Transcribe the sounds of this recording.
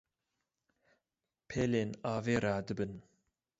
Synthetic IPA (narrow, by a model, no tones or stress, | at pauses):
pʰeːleːnɑːveːɾaːd̪ɨbɨn